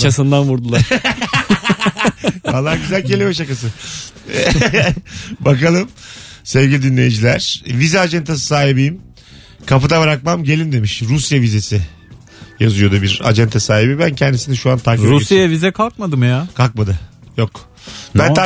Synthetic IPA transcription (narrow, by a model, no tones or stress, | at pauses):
t͡ʃʰasɯnd̪anvuɾd̪ulˠaɾ | falˠːaɾɟyzælʲcʰelʲimɛʃ̬akas̬ɯ | bakalˠɯmsɛvɟilʲid̪inlʲe̞jid͡ʒilʲæɾ̥vizɛad͡ʒɛnt̪ʰasɯ̥saːɦibijim | kʰapɯd̪abɾak̚mamɟe̞lʲind̪e̞miʃɾusjavize̞sɪ | jazujo̞d̪ubiɾa̰d͡ʒɛnt̪ʰasaːɦibibæncʰɛnd̪isinɛʃuant̪ʰaːkiɾusjajavizɛkʰalˠk̚mad̪ɯmjaːkʰalˠk̚mad̪ɯ | jok | bænʰa